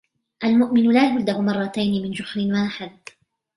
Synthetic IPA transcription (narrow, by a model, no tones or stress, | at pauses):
ʔalmʊʔmɪnʊlaːhʊld̪ahʊmɑrˤːɑt̪ajnɪmɪnd͡ʒʊħɾɪnwaːħɪd̪̚